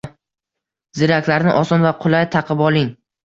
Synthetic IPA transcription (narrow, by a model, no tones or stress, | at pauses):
zɪɾakʲlaɾnɪʔɒsɒnvaqʰʊlˠajt̪ʰɑqʰɨpɒlˠɪŋ